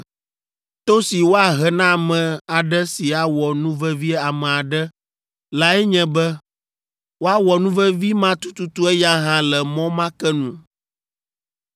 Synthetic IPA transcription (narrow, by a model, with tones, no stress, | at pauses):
t̪o˦si˨wo˦a˨ɦɛ˨nã˦˨mɛ̃˨a˨ɖɛ˦si˨a˨wɔ˨nũ˦vɛ˦vi˦a˨mɛ̃˨a˨ɖɛ˦ | la˦ɛ˦ɲɛ̃˦bɛ˦ | wo˦a˦wɔ˨nũ˦vɛ˦vi˦mã˦t̪u˦t̪u˦t̪u˦ɛ˦ja˦ɦã˦lɛ˨mɔ̃˦mã˦kɛ˦nũ˦